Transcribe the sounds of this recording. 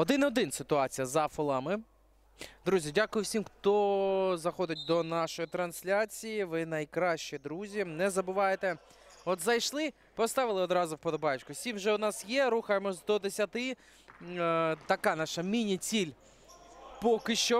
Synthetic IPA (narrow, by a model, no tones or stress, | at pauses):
ɔd̪ɪnɔd̪ɪnsɪt̪ʊɑt͡sʲijɐzɐfʊlˠɑmɪ | d̪ɾuzʲidʲakʊjʊwsʲimxt̪ɔzɐxɔd̪ɪt̚ʲd̪ɔnɑʃɔjit̪ɾɐnsʲlʲat͡sʲijiʋɪnɐjkɾɑʃt͡ʃid̪ɾuzʲinɛzɐbʊʋɑjet̪e | ɔt̪zɐjʃlˠɪ | pɔst̪ɑʋɪlˠɪɔd̪ɾɑzʊwpɔd̪ɔbɑjʊt͡ʃkʊsʲimwʒɛʊd̪nɑsjɛɾuxɐjemɔzd̪ɔd̪esʲɐt̪ɪ | t̪ɐkɑnɑʃɐmʲinʲit͡sʲilʲ | pɔkɪʃt͡ʃɔ